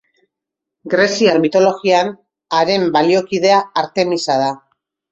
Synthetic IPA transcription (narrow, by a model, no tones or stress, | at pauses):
ɡɾe̞siaɾmit̪o̞lo̞ɣian | aɾe̞mbalio̞kiðe̞aaɾt̪e̞misað̞a